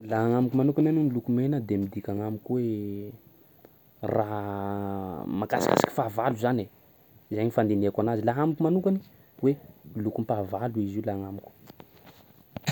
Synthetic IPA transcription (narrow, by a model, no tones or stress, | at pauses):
laaŋamukumanukananunilukumenəd̪emid̪ikʲaŋamukuwe | raɦ | makasi̥ka̰si̥ki̥favaluzane | zajɲifand̪ineakanazilaɦamukumanukani | welukumpavaluiziulaŋamuku̥